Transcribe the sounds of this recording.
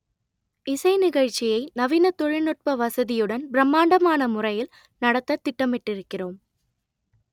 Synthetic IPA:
ɪsɐɪnɪɣɐɻt͡ʃːɪjɐɪnɐʋinɐt̪ːɔɻɪɭnɔʈ̚pɐʋɐsɐðɪjɯɽɐnbɪɾɐmːaːɳɖɐmaːnɐmʊrɐjɪl | nɐɽɐt̪ːɐt̪ːɪʈːɐmɪʈːɪɾɯkːɪroːm

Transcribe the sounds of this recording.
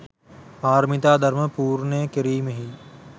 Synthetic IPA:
bʱaːɾmɪt̪aːd̪ʱəɾməpuːɾneːkəɾiːmɦiː

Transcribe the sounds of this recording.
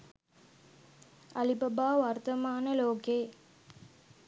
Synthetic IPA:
ɐlibɐbaːʋɐɾt̪ɐmaːnɐloːkeː

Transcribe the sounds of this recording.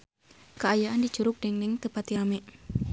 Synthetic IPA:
kəajaandit͡ʃuɾʊk̚dɛŋnɛŋt̪əpat̪iamɛʔ

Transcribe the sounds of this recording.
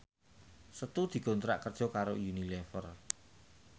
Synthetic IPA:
sət̪ud̪̥i̤ɡ̥o̤nt̪ɾa̰ʔkərd̥ʒ̥ɔ̤kaɾojunilɛfər

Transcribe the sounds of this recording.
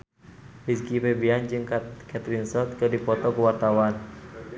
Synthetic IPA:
hiskipebiand͡ʒɨŋkakat̪ɾinsɔt̪̚kɨrdipɔt̪ɔkəwart̪awan

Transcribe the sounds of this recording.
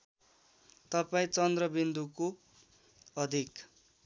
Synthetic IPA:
t̪ʌpaĩt͡sʌnd̪rʌbind̪uko | ʌd̪ʱik

